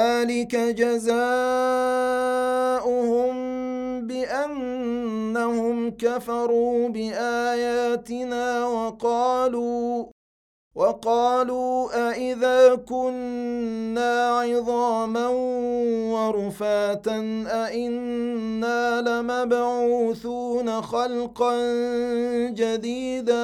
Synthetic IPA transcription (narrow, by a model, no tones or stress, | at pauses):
ðaːlɪkad͡ʒazaː | ʔʊhʊmbɪʔanː | ahʊmkafɑɾˤuːbɪʔaːjaːt̪ɪnaːwɑqɑːluː | wɑqɑːluːʔaʔɪðaːkʊnː | aːʕɪðˤɑːmanwɑɾˤʊfaːt̪anʔaʔɪnːaːlamabʕuːθuːnaxɑlqɑn | d͡ʒad̪iːd̪a